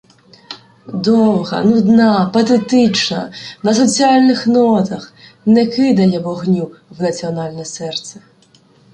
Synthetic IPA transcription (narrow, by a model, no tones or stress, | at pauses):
d̪ɔwɦɐ̰nud̪nɑpɐt̪ɛt̪ɪt͡ʃnɐnɐs̬ɔt͡sʲiɑlʲnɪxnɔt̪ɐx | nɛkɪd̪ɐjɛʋɔɦnʲuwnɐt͡sʲiɔnɑlʲnɛsɛrt̪sɛ